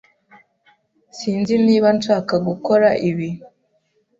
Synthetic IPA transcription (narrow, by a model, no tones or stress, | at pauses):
siːnziniːβanʃaːkaɡuko̞ɾaʔiβi